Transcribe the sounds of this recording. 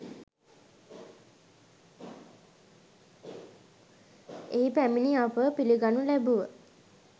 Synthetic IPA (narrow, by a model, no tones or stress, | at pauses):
eipæminiapəpiliɡanulæbuʋə